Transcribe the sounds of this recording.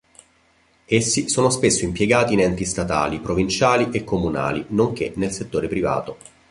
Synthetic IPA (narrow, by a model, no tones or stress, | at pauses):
esːisoːnospesːoimpjeɡaːt̪inɛnt̪ist̪at̪a̰ːlipɾovint͡ʃaːliʔekːomuna̰ːlinoŋk̟enelset̪ːoːɾepɾiva̰ːt̪o